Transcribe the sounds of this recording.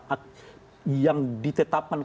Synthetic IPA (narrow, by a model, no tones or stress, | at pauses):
ʔak | jaŋdit̪ət̪ap̚kan